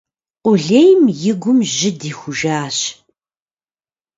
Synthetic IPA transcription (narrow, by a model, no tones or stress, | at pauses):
qʷʼʊɮejmjɪɡʷʊmʑɪdiːxʷʊʒaːɕ